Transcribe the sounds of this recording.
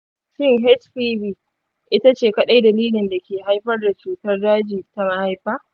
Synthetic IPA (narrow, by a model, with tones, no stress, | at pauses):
ʃɪ˦ŋɦɛ˦tɸiː˦biː˦ | ʔɪ˦ta˦t͡ʃeː˨kɐ˦ɗa˦jda˨liː˦lɪ˨nda˨kʲeː˨ɦa˦jɸɐ˦rda˨t͡ʃuː˨tɐ˦rdaː˦d͡ʒiː˨ta˨ma˦ha˨jɸaː˦ʔ